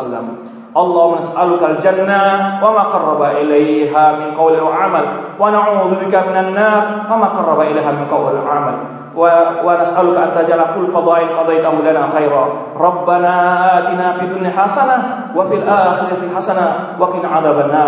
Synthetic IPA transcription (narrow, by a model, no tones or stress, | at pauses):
lːa̰m | ʔɑlˤːɑːhʊmnasʔalʊkald͡ʒanːawamaːqɑrˤːɑbaʔɪlajɦaːmɪnqɑwlwaʕamalwanaʕuːðʊbɪkamɪnanːɑːɾˤfamaːqɑrˤːɑbaʔɪlajɦaːmɪnqɑwlaʕamal | wanasʔalʊkaʔant̪ad͡ʒalakʊlːqɑd̪ˤɑːʔɪnqɑd̪ɑjt̪ahʊlanaːxajɾˤɑː | ɾˤɑbːanaːʔaːt̪ɪnaːfiːd̪ʊnːɪħasana | wafilʔaːxɪɾaħasana | waqɪnʕaðabanːaː